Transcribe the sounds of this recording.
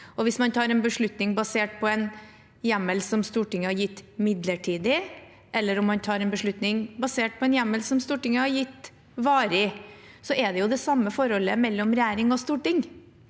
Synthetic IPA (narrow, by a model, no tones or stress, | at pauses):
ɔʋɪsmɑnt̪ʰɑːɾɛnbəʂɭʉt̪nɪŋbɑseːʈ̚pʰɔɛn | jæmːəlsɔmst̪uːʈɪŋːəhɑɾjɪt̪ːmɪd̪ləʈʰiːd̪ɪ | ʔɛlːəɾɔmːɑnt̪ʰɑːɾɛnbəʂɭʉt̪nɪŋbɑseːʈ̚pʰɔɛnjæmːəlsɔmst̪uːʈɪŋːəhɑɾjɪt̪ː | ʋɑːɾɪsɔʔɛɖ̪ɛjʊd̪ɛsɑmːəfɔɾhɔlːəmɛlːɔmɾɛæːɾɪŋɔst̪uːʈɪŋ